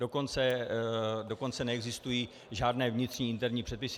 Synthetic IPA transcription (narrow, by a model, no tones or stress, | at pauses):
do̞ko̞nt͡sɛ | do̞kont͡sɛnɛɛɡzɪst̪ujiː | ʒaːdnɛːvɲɪt̪r̥ɲiːɪnt̪ɛɾɲiːpr̥ɛt̪pɪs